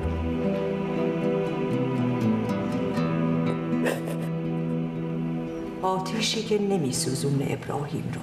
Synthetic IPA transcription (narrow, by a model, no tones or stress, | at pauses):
ɒːt̪ʰiːʃiːcʰenemiːsuːzuːneʔḛbɾɒ̰ːhḭːmɾo